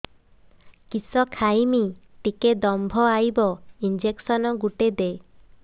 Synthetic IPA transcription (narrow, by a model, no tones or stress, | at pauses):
kisɔkʰajmiʈiked̪ɔmbʱɔajbɔind͡ʒeksɔnɔɡuʈed̪e